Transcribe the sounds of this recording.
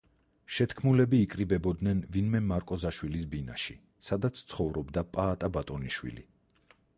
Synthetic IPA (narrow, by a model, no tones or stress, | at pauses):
ʃɛt̪kʰmulɛbiːkʼɾibɛbɔd̪nɛnvinmɛmaɾkʼɔzaʃwilisbina̰ʃḭ | sad̪at̪sʰt̪sʰχɔvɾɔbd̪apʼaːt̪ʼabat̪ʼɔniʃwḭlḭ